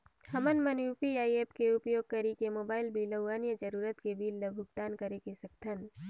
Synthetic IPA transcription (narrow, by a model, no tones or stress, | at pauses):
hɐmənmənjuːpiaːieːpkeʊpjoːɡ̚kɐɾikemoːbaːɪlbʱilɐːaːnjəd͡ʒəɾuːɾət̪kebʱiːlːəbʱʊɡt̪aːnkɐɾekesɐkt̪ʰən